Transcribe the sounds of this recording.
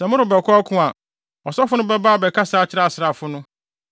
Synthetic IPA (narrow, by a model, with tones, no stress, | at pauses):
sɛ̃˨mʊ̃˦ɾʊ˨bɛ˨kʷʰɔ˦kʰʊ̃˦a˨ | ɔ˨sɔ˦fʊ˦nʊ̃˦bɛ˦baː˦˨bɛ˨kʰa˦sɪ˦a˦˨t͡ɕʰɪ˦ɾa˦a˨sɪ˨ɾa˨fʊ˦nʊ̃˦